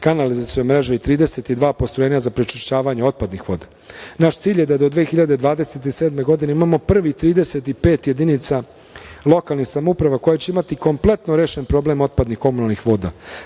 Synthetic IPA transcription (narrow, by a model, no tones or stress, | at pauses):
kanalizasemɾeʒeit̪ɾiːd̪ese̞t̪id̪ʋaːpost̪ɾoe̞ːɲazapɾet͡ʃiʃt͡ɕaːʋaɲeo̞t̪̚pad̪nixʋo̞ːd̪a | naʃt̪siːʎjed̪ad̪o̞d̪ʋeːxiʎad̪e̞d̪ʋaːd̪e̞se̞t̪iseːd̪me̞ɡo̞d̪ineimaːmo̞pr̩ʋit̪ɾiːd̪e̞se̞t̪ipe̞ːt̪je̞d̪init̪sa | lˠo̞kalˠnixsamoupɾaʋako̞jat͡ɕe̞imat̪iko̞mplˠe̞t̪noɾe̞ːʃenpɾo̞ble̞mo̞t̪̚pad̪nixko̞munalˠnixʋo̞ːd̪a̰